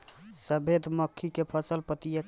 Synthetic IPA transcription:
səbʱed̪məkʰːikepʰəsəlpət̪ijə

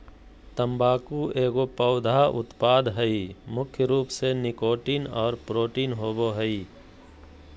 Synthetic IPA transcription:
t̪əmbaːkueːɡopəʊd̪ʱaʔʊ̰t̪paːd̪ɦəimʊkʰjəɾuːpsenɪkoːʈiːnɔːɾpɾoːʈiːnɦoːboɦəi

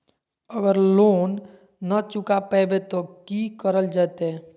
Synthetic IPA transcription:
əɡəɾloːnː | ət͡ʃʊkapɛːbet̪okikəɾəld͡ʒaːt̪ɦɛ

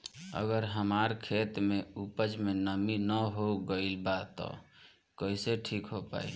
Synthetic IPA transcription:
ə̰ɡəɾɦəmaɾkʰet̪meupəd͡ʒmenəminəɦoɡəɪlbat̪ɔ̰ | kəiseʈʰikɦopa̰ːḭ

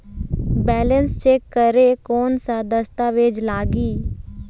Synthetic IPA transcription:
bɛːlənst͡ʃeːkːəɾekɔːnsad̪əst̪aʋeːd͡ʒlaːɡiː

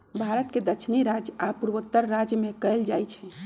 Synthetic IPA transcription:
bʱaɾət̪ked̪ət͡ʃʰniɾad͡ʒapuɾʋət̪ːəɾːad͡ʒjəmekəjld͡ʒajt͡ʃʰɛ̃

